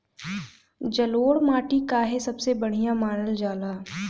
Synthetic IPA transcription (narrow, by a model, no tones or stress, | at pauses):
d͡ʒɐloːɽmaːʈikaɦesɐbsebɐɽ̤ijamaːnəld͡ʒaːlaː